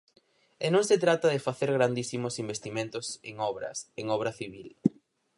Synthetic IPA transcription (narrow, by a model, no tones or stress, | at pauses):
enõŋset̪ɾat̪ɐðefaθeɾɣɾand̪isimosimbest̪imẽnt̪oseŋɔβɾɐ̰seŋɔβ̞ɾɐθiβil